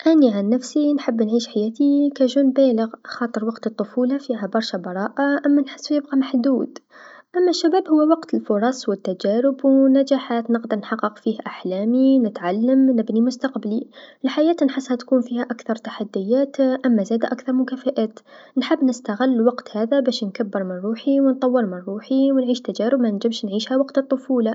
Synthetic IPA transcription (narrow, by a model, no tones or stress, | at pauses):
ʔæniʕanːæfsinħəbːnʕiːʃħajæːt̪ikæʒuːnbæːləɣxɑːt̪ˤəɾˤwɑqt̪ət̪ˤːʊfuːlafiɦæbɑɾˤʃabɑɾˤɑːʔaʔamːænħə̥sːjɪb̚qɑmaħd̪uːd̪̥ʔamːæʃːabæːbhʊwːæwɑqt̪əlfʊɾˤɑswət̪ːæd͡ʒæɾɪbwnæd͡ʒaħaːt̪nəqd̪əɾˤnħɑqːəqfiːhʔaħlæːminɪt̪ʕalːamnɪbnimʊst̪aqbaliɪlħajaːt̪nħɪsːhat̪kuːnfiːhaʔakθɑɾˤt̪aħad̪ːɪjːaːt̪ʔamːazæːd̪aʔakθɑɾˤmʊkafaʔaːt̪ | nħɪbːnɪst̪aɣɪlːwɑqt̪haːðabæːʃnkabːɪɾˤmɪnɾˤuːħiwnt̪ˤɑwːɨɾˤmɪnɾˤuːħiwnʕiːʃt̪ad͡ʒaːɾɪbmanɪnd͡ʒɪmʃnʕiːʃhawɑqt̪ɨt̪ˤːʊfuːla